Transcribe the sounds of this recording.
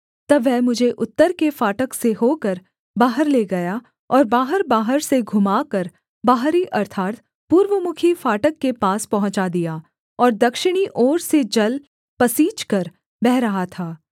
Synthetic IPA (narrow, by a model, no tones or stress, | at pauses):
t̪ɐbʋɛɦmʊd͡ʒʱeʔʊt̪ːəɾkefaːʈəkseɦoːkəɾ | baːɦəɾleɡɐja | ɔːɾbaːɦəɾbaːɦəɾseɡʱʊmaːkɐɾ | baːɦɾiʔɐɾt̪ʰaːɾt̪ | puːɾʋəmʊkʰifaːʈəkːepaːspɐɦʊ̃ɲt͡ʃad̪ijaː | ɔːɾd̪ɐkʃɪɽ̃iʔɔːɾsed͡ʒɐl | pɐsiːt͡ʃkɐɾ | bɛɦɾɐɦat̪ʰaː